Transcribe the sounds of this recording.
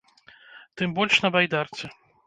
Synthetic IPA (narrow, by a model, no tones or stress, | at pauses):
t̪ɨmbɔlʲʂnɐbajd̪art̪sʲɛ